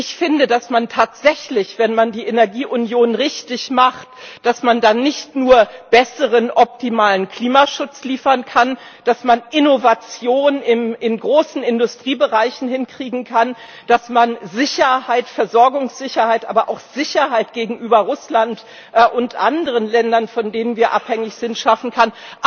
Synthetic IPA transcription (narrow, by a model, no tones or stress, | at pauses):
ʔɪçfɪndədasmantʰaːtz̥ɛçlɪçv̥ɛnmandiːʔenɛɐɡiːʔʊnjoːnʁɪçtɪçmaχtd̥asmandanːɪçtnuːɐb̥ɛsəʁənʔɔp̚timaːlənkl̥iːmaʃʊt͡sliːfɐnkʰan | d̥asmanʔɪnovat͡sjoːnɪmɪnɡʁoːsn̩ɪndʊstʁ̥iːbəʁaɪçn̩hɪnkʁ̥iːɡŋ̩kʰan | d̥asmanzɪçɐhaɪtfɛɐzɔɐɡʊŋsz̥ɪçɐhaɪtʔa̰ːbɐʔa̰ʊxz̥ɪçɐhaɪtɡ̥eːɡŋ̩ʔyːbɐʁʊslant | ʔʔʊntʔa̰ndəʁənlɛndɐnfɔndeːnənviːɐʔa̰phɛŋɪçz̥ɪntʃafn̩kʰan